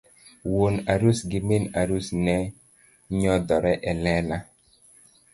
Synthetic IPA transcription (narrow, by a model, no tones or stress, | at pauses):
wonaɾusɡɪmenaɾusnɛ | ɲɔdɔɾɛʔɛlɛla